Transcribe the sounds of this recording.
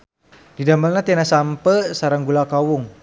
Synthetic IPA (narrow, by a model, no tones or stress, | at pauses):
didaməlnat̪ianasampəsaɾaŋɡulakawʊŋ